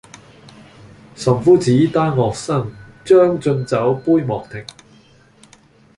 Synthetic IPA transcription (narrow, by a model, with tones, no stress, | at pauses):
sɐ˨˩mfuː˨˥t͡siː˨˥t̪aː˥nŋɔː˨k̚sɐ˥˩ŋt͡ʃœː˥ŋt͡sɵ˧nt͡sɐ˨˥wpuː˥jmɔː˨k̚t̪ʰɪ˨˩ŋ